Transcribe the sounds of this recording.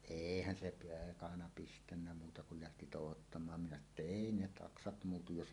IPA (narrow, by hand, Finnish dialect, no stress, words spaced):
eˑihæn se peːkɑnɑ pistænːæ muːtɑ kul læhti toˑuhotːɑmˑɑːm minæ sɑno tːɑ eˑi ne tɑksɑt muːtuj jos